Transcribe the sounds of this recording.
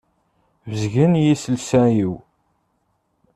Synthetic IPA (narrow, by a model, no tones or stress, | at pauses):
vəzʝənjisəlsæjiw